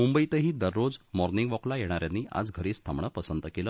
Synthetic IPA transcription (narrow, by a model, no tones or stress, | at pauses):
mumbəit̪əɦiːd̪əɾːod͡zmɔɾniŋɡʋɔklajeɽ̃aɾjanːiːa̰d͡zɡʱəɾiːst̪ʰamɳəpəsənt̪əkelə